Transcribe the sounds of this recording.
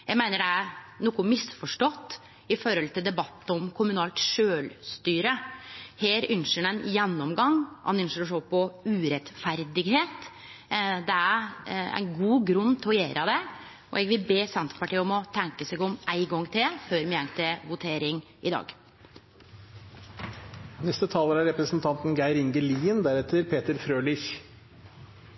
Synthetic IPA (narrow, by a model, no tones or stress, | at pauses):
jæɡmæɪnəɖɛænuːkːʊmɪsfɔʂʈɔt̪ː | ɪfɔɾɔlt̪ʰɪld̪ɛbɑt̪ːəɔmkʰʊmʉnɑːlt̪ʂøːlst̪yːɾəheːɾʉnʂəɳɛnjɛnːɔmɡɑŋːʔɑ̰nʏnʂəɾɔʂoːpʰɔʉːɾɛt̪fæɾd̪ɪɡheːt̪ | d̪ɛæɾæ̰ɪnɡuːɡɾʉnːt̪ʰɛɔjeːɾʔəd̪ɛ | ɔ̰ɛɡʋɪlbeːsɛnt̪ə̥pɑʈiːɔmɔt̪ʰɛŋkəsɛɡɔmʔæɪɡɔŋːt̪ʰɪlføːɾmɛɛŋt̪ʰɪʋʊt̪ʰeːɾɪŋ | ɪd̪ɑ̰ːɡ | nɛst̪ət̪ʰɑːləɾæɾɛpɾəsnt̪ʰɑnt̪n̩ɡæɪɾɪŋɡəliːənd̪æɾɛt̪əɾpʰeːt̪əɾfɾøːlɪç